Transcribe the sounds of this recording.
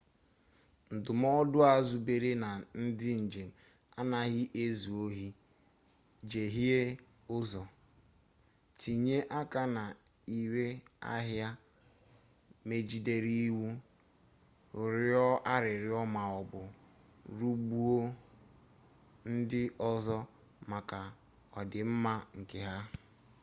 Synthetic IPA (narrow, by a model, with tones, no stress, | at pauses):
n̩˨dʊ˨m˦ɔ˦dʊ˦a˨zu˨be˨ɾe˦na˨n̩˦dɪ˦n̩˨d͡ʒe˨m̩˨ | a˦na˨ɣɪ˦ʔe˦zu˨o˦ɦi˦ | d͡ʒe˨ɦi˦e˦ | ʊ˦zɔ˨ | ti˨ɲe˦ʔa˦ka˦na˨ | i˨ɾe˦a̰˦ɦja˦ | me˨d͡ʒi˨de˦ɾi˦wu˦ | ʊ˨ɾɪ˦ɔ˦a˦ɾɪ˨ɾɪ˦ɔ˦ma˨ɔ˨bʊ˨ | ɾu˦ɡ͡bu˦o˦ | n̩˦dɪ˦ʔɔ˦zɔ˦ | ma˨ka˨ | ɔ˨dɪ˨m̩˦ma˦ŋ̩˨ke˨ɦa˦